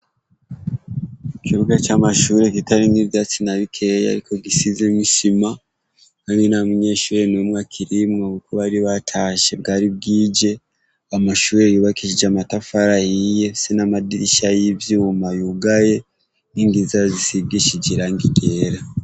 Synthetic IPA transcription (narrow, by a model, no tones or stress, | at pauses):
kiɾukat͡ʃamaʃuːɾe̞kitaɾinivjaːt͡sinaβikʰeja̰ɾiko̞ɡisizemiʃima | kaːndinamuɲe̞ːʃuːɾe̞nemŋakʰiɾimŋokukoβaɾiβatʰaːʃe̞b̚ɡaːɾib̚ɡiːd͡ʒe̞ | amaʃuːɾejuːβakiʃid͡ʒamatafaɾajije̞senamadiɾiʃajivjumajuɡaje̞ | niŋɡizazisiɡiʃid͡ʒiɾaŋɡiɡeɾa